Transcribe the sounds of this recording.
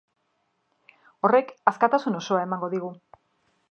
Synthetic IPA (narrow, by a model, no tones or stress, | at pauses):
o̞re̞kaskat̪asuno̞so̞ae̞maŋɡo̞ðiɣ̞u